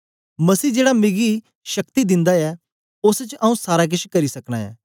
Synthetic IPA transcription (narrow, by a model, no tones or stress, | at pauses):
mɐsiːd͡ʒeːɽamɪɡi | ʃɐkt̪id̪ɪ̃nd̪aɛː | ʊst͡ʃʔɐũsaːɾak̬ɪʃkɐɾisɐkɽ̃a̰ɛ̰ː